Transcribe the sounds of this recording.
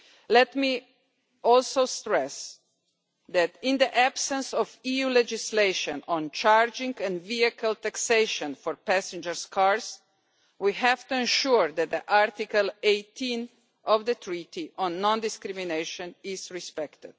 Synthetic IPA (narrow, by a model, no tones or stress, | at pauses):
lɛt̪mi | ɔlsoʊst̪ɹɛs | ðæt̪ɪ̃nd̪iʔæbsə̃nsɔvijulɛd͡ʒɪsleʃɔ̃nɔ̃nt͡ʃaɹd͡ʒɪ̃ŋɡɛ̃nviəkʰəlt̪ækseɪʃɔ̃nfɔɹpæsɛ̃nd͡ʒəɹskʰaɹs | wiɦævt̪uɛ̃nʃuɹd̪ɛt̪̚d̪əʔaɾt̪ikəleɪt̪ʰĩn | ʔɔvd̪ət̪ʰɹit̪iʔɔ̃nːɔ̃nd̪ɪskɾimineʃɔ̃nɪzɹispɛkt̪ɪd̪̥